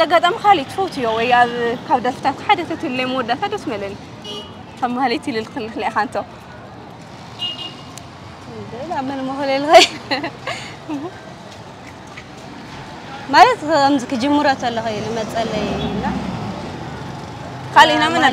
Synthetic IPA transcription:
zɐɡat̪ʼamikʰalit̪ʰfɐwt̪ʰɨjowɔjaβkʰaβd̪ɐlfɨ̥t̪ʰat̪ħad̪ɐt̪ʰɐt̪ʰɨlːɐjmod̪at̪ʰat̪d̪ɐsmɐlɐni | kʰaβmahlit̪ʰɨlɨlkɨlɨxɨlaxant̪ʰo | dɨlamɨnmɐxlelɨxɐ | malɐt̪amzɨkʰɨd͡ʒɨmːɨɾat̪ʰɐlːɐxɐjlɨmɐt͡sʼɐlɐjnːa | kʰalinamɨn

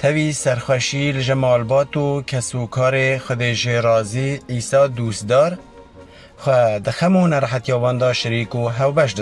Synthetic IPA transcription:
t̪ʰɛviːsɛɾxʷɛʃiːlɨʒɛmɑːlbɑːt̪uːkʰɛsuːkʰɑːɾeːxʷɛd̪eːʒeɾɑːziːʕiːsɑːd̪uːst̪d̪ɑːɾ | xʷɛd̪ɨxɛmoːnɛɾħat̪jɑːvɑːnd̪ɑːʃɪɾiːkoːɦɛwbɛʃ̬d̪ɨ

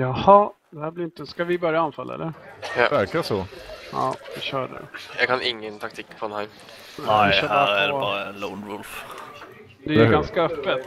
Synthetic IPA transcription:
jɑhɑd̪̥ɛhæːblɪɾɪnt̪əskavɪbœɾjaanːfalːaɛ̰lːəɾæɾkasɔɑ̰ːʋɪɕœːɖɛ̰jɑ̰ɡkʰanɪŋːənt̪ʰak̚t̪ʰiːkːfɾɔnha | nææjɪœːhɾædbɑːɾalɔʊnvʊlf | d̪ɛjɡanskaœpːət̪

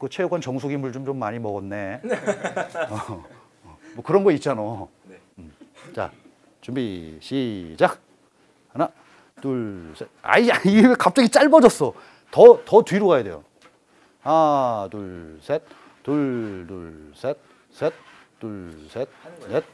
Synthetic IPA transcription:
kɯt͡ɕʰejokhant͡ɕʌŋs̬ʰoɡimuɭt͡ɕomt͡ɕomːaɲimʌɡʌnːe̞ | ʌ | mwʌkɯɾʌnɡʌit̚t͡ɕ͈ano | mt͡ɕa̰ | t͡ɕumbiɕʰid͡ʑak̚ | hana | tuɭsʰet̚a̰iaiekap̚t͡ɕ͈aɡit͡ɕ͈aɭbʌd͡ʑʌs͈ʌ | tʌtʌtɥiɾoɡajedwe̞̰jo̰ | atuɭsʰet̚ | tuɭduɭsʰet̚ | sʰet̚ | t͈uɭsʰet̚net̚

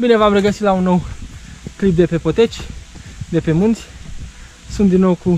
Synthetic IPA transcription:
bine̞vamre̞ɡəsit̪launːo̞w | klip̚d̪e̞pe̞pot̪e̞t͡ʃʲd̪e̞pe̞munt̪sʲ | sunt̪d̪inːo̞wku

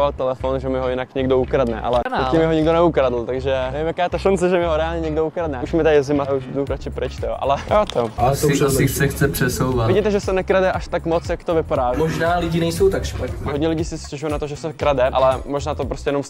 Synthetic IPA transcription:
at̪ɛlɛfonʒɛmɪɦojɪnakɲɛɡdoukɾadnɛ̰ʔa̰lɛnaoɪmɪɦoɲɛɡdonɛukɾadl̩t̪aɡʒɛnɛvimjakaːjɛt̪aʃant͡sɛʒɛmɪɦoɾɛaːlɲɛɲɛɡdoukɾad̪nɛuʃmɪt̪azɪmauʃnuɦɾat͡ʃɪpɾɪt͡ʃt̪ɛo̰ʔa̰lɛjoːt̪osɪɪxt͡sɛxt͡sɛpr̥ɛsowvat̪vɪɟiːt̪ɛʒɛsɛnɛkɾadɛʔaʃt̪akmot͡sjakt̪ovɪpadaːmoʒnaːlɪɟinɛjsowt̪akʃpat̪nɛɦodɲɛlɪɟiːsɪscɛʒujunat̪oʒɛsɛkɾadɛʔa̰lɛmoʒnaːt̪opɾoscʲɛjɛnoms

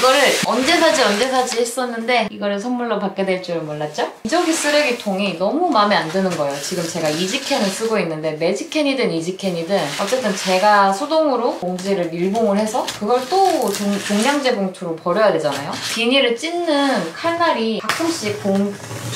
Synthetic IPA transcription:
iɡʌɾɯɭʌnd͡ʑe̞sʰad͡ʑiʌnd͡ʑe̞sʰad͡ʑiɦes͈ʌnːɯnde̞iɡʌɾɯsʰʌmːuɭːopak͈e̞dwe̞ɭt͡ɕ͈iɾɯɭmoɭːat̚t͡ɕ͈oid͡ʑʌŋɡʰis͈ɯɾeɡitʰoŋinʌmumameandɯnɯnɡʌejot͡ɕiɡɯmt͡ɕe̞ɡaid͡ʑikʰe̞nɯɭs͈ɯɡoinːɯnde̞me̞d͡ʑʰikʰe̞ɲidɯnid͡ʑikʰe̞ɲidɯnʌt͡ɕ͈e̞t͈ɯnt͡ɕe̞ɡasʰodoŋɯɾomoŋd͡ʑiɾɯɾiɭboŋɯɭhe̞sʰʌkɯɡʌɭt͈ot͡ɕuŋt͡ɕoŋɲaŋd͡ʑe̞ɡoŋtʰuɾopʌɾjʌjade̞d͡ʑanajopiɲiɾɯɭt͡ɕ͈inːɯnkʰaɭnaɾipak̚k͈ʰɯmɕ͈ipoŋ

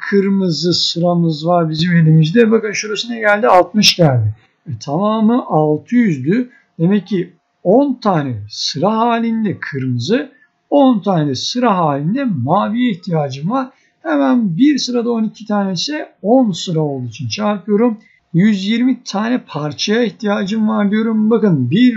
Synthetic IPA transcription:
kʰɯɾmɯzɯsɯɾamɯzvaɾbizime̞lʲimizd̪ɛbakɯnʃuɾasɯnɛɟælʲd̪ialˠt̪̚mɯʃɟælʲd̪ɪ | ɛt̪ʰamaːmɯʔalˠt̪ʰɯjyzd̪y | d̪̥e̞mɛcʰːi | ont̪ʰaːnɛsɯɾaɦaːlʲind̪ɛkʰɯɾmɯzɯ | ont̪ʰaːnɛsɯɾaɦaːlʲind̪ɛmaːvijɛiçt̪ʰijaːd͡ʒɯmvaɾ̥ | hɛmænbiɾsɯɾad̪ao̞nicʰit̪ʰaːnɛsɛonsɯɾao̞lˠd̪uit͡ʃʰint͡ʃʰaɾpʰɯjo̞ɾum | jyzjiɾmit̪ʰaːnɛpʰaɾt͡ʃʰajaiçt̪ʰijaːd͡ʒɯmvaɾd̪ijo̞ɾumbakɯnbiɾ

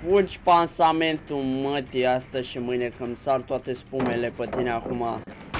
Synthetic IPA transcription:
fud͡ʒʲpansame̞nt̪umət̪iast̪əzʃimɨjnekɨmsart̪oat̪espume̞le̞pət̪ineakuma

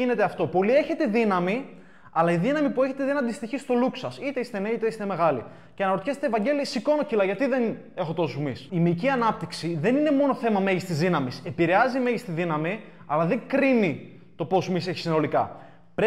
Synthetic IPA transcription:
ine̞t̪e̞ɐft̪o̞po̞lieçe̞t̪e̞ðinɐmi | ɐlɐiðinɐmipue̞çe̞t̪eðinɐnd̪ist̪içist̪o̞luksɐsit̪eist̪e̞neit̪eist̪e̞me̞ɣɐlḭ | ceɐnɐɾot̪çest̪evɐɲɟe̞lisiko̞no̞cilɐʝɐt̪iðe̞n | e̞xo̞t̪o̞sumisimiciɐnɐp̚t̪iksiðe̞nine̞mo̞no̞θe̞mɐme̞ʝist̪izðinɐmise̞piɾeɐzime̞ʝist̪iðinɐmi | ɐlɐðe̞ŋkɾini | t̪o̞po̞smise̞çi̥sino̞likɐ̰ | pɾe

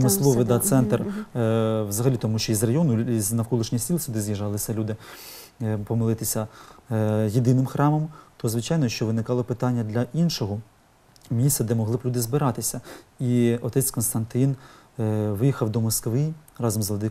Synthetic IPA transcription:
mɪslˠɔʋɪd̪ɑt̪sɛnt̪r | ʋzɐɦɐlʲit̪ɔmuʃt͡ʃɔizrɐjɔnʊiznɐwkɔlˠɪʃnʲijsʲilˠsʲud̪ɪzjiʒɑlˠɪsʲɐlʲud̪ɪ | pɔmelˠɪt̪ɪsʲɐ | jed̪ɪnɪmxɾɑmɔmt̪ɔzʋɪt͡ʃɑjnɔjʃt͡ʃɔʋɪnɪkɑlˠɔpɪt̪ɑnʲːɐd̪lʲɐʔinʃɔɦɔ | mʲisʲt̪ʲɐd̪ɛmɔɦlˠɪblʲud̪ɪzbɪɾɑt̪ɪsʲɐiɔt̪ɛt͡sʲkɔnst̪ɐnt̪ɪn | ʋɪjixɐwd̪ɔmɔskʋɪrɑzɔmzlˠɐd̪ɪ

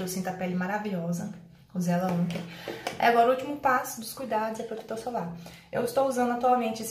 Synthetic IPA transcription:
ewsĩt̪apɛlɪmaɾaviʎɔzɐ | ʊzɛlɐõkẽiaɡɔɾɐut͡ʃimʊpasʊd̪ʊskujd̪ad̪ʊzɛpɾod̪u̥t̪oɾsolaɾ | ḛwɪst̪owuzɐ̃nd̪ʊat̪uawmẽnt͡ʃɪes

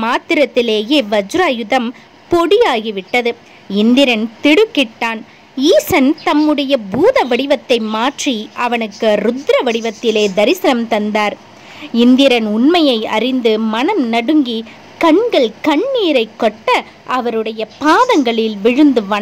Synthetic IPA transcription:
maːt̪ɪɾɐt̪ːɪleːjeːʋɐd͡ʒʊɾaːjɯðɐm | pɔɽɪjaːɣiʋɪʈːɐðɯ | ɪnd̪ɪɾɐnt̪ɪɽɯkːɪʈːaːn | iːsɐnt̪ɐmːɯɽɐjɐbuːðɐʋɐɽɪʋɐt̪ːɐɪmaːʈriʔɐʋɐnɯkːɯɾʊd̪ɾɐʋɐɽɪʋɐt̪ːɪleːd̪ɐɾɪsɪnɐmt̪ɐnd̪aːɾ | ɪnd̪ɪɾɐnʊnmɐjɐɪɐ̰ɾɪnd̪ɯmɐnɐmnɐɽɯŋɡi | kɐɳɡɐɭkɐɳːiːɾɐɪkːɔʈːɐ | ʔɐʋɐɾɯɽɐjɐpaːðɐŋɡɐɭɪlʋɪɻɯnd̪ɯʋɐn

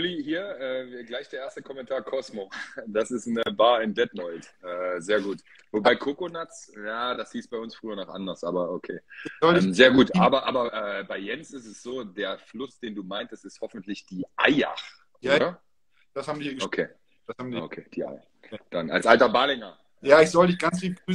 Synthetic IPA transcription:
olihiːɐʔɛːvɡlaɪçd̥eːɐʔeːɐstəkʰɔmɛntʰaːɐkʰɔsmod̥asɪstn̩əbaːɐɪndɛtnɔʏtʔɛːzeːɐɡuːt | vobaɪkʰokonat͡sjaːd̥ashiːsb̥aɪʊnsfʁ̥yːɐnɔχʔa̰ndɐsʔaːbɐʔokʰḛːɛmzeːɐɡuːtʔaːbɐʔaːbɐʔɛːbaɪjɛnsɪstɛsz̥oːdeːɐflʊsd̥eːnduːmaɪntəstɪsthɔfn̩tlɪçd̥iːʔaɪa̰x | ʔoːdɐ | d̥ashaːbm̩ndiɡokʰeː | d̥asamio̰kʰeːd̥iːʔa̰ɪ | d̥ana̰lsʔaltɐbaːlɪŋɐ | jaːɪçz̥ɔldɪçɡ̥ant͡sfiːɡ̥ʁyː

